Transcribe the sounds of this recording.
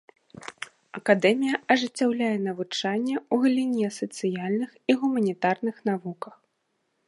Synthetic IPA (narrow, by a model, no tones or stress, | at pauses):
ɐkad̪ɛmʲijɐɐʐɨt͡sʲːawlʲajɛn̪ɐvut͡ʂanʲːɛuɣɐlʲinʲiɐsɐt̪sɨjalʲnɨxiɣumɐnʲit̪arnɨxnavukɐx